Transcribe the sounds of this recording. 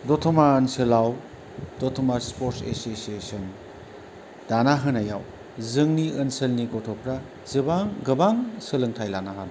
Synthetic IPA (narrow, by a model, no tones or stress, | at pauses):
dɔtʰɔmaɐnsɯlaw | dotʰɔmaspoɾtsḛsesesɯn | d̥anaɦɯnajaw | zɯŋniənsɐlniɡɔtʰɔpʰɾa | zɯbaŋɡɐbaŋsɯlɯŋtʰajlanaɦana